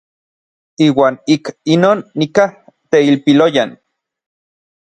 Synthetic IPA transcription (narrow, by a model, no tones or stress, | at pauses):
iːwaːnikinoːnːikah | t̪eilpilojan